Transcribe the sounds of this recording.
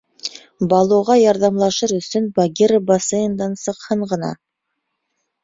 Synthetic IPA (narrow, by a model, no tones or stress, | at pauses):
bɑlˠoʁɑjɑɾðɑmlˠɑʃɤɾɵ̆sɵnbɑɡʲeɾbɑsɤjɤ̆nd̪ɑnsɤ̆qhɤɴʁɤ̆nɑ̰